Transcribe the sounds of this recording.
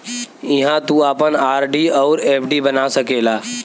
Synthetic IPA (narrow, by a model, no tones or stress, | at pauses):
ɪɦãt̪uaːpənaːɾɖiɔːɾeːpʰɖibɐnasɐkeːlaː